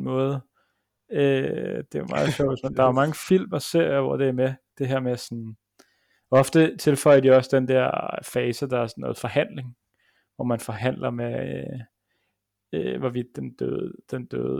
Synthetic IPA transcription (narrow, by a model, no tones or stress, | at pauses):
mɔ̽ːðˠ | ød̥e̝mɑ̈ːð̩ˠɕɒʊ̰ʋesmænd̥ɑ̈æmɑ̈ŋəfil̰mɒse̝ɐ̰jɐʋɒ̰d̥e̝æɐmed̥e̝ɦæɐmesɒn | ɒ̽fd̥ət͡sʰe̝lfɒ̽ɪɐd̥iɒ̽sd̥end̥ɛɐ̰fɛːsəd̥ɑ̈æɐsɒnːɔ̽ːð̩ˠfɒ̽hæn̰le̝ŋ | ʋɒmænfɒ̽ɦæn̰lɐme | øʋɒʋid̥end̥ød̥end̥ø̰ːðˠ